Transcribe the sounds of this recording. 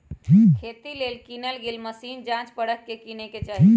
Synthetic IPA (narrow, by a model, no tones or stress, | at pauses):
kʰeːt̪ileːlkiːnəlɡeːlməsiːnd͡ʒãːt͡ʃpəɽəkːekineket͡ʃaːɦi